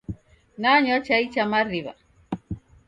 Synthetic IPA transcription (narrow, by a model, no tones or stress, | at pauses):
naɲat͡ʃait͡ʃamariβa̰